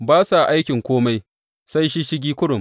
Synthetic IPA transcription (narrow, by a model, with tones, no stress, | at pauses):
baː˦sa˨ʔa˦jkʲɪ˨ŋkʷoː˦ma˦j | sa˦jʃi˦ʃɪ˦ɡʲiː˦kʷʊ˦ɽʊ˨m